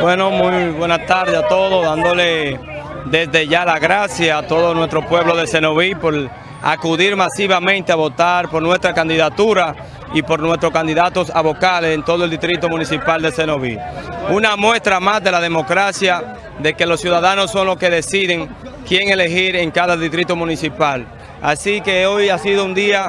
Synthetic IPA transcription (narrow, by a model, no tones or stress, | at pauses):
bwe̞no̞mujβwe̞nast̪aɾðeat̪o̞ðoðand̪ole | d̪e̞zðe̞ʝalaɣɾasjaːt̪o̞ðonwe̞st̪ɾo̞pwe̞β̞lo̞ðese̞noβipo̞ɾ | a̰kuðiɾmasiβamẽnt̪eaβo̞t̪aɾpo̞ɾnwe̞st̪ɾakand̪iðat̪uɾa | ipo̞ɾnwe̞st̪ɾo̞skand̪iðat̪osaβo̞kalesent̪o̞ðoeld̪ist̪ɾit̪omũnisipald̪e̞se̞noβḭunamwe̞st̪ɾamasðe̞laðe̞mo̞kɾasja | ðe̞ke̞losjuðaðanosːo̞ŋlo̞ske̞ðe̞siðe̞ŋ | kje̞ŋe̞le̞ɦiɾe̞ŋkaðaðist̪ɾit̪omũnisipal | asike̞o̞jasiðound̪ia